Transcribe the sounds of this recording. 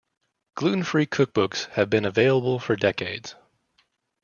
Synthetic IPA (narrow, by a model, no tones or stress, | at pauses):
ɡ̥lʉʔn̩fɹikʰʊk̚b̥ʊkshɨvbɨ̃nɨveɪlˠəbl̩ˠfə˞dɛkeɪdz̥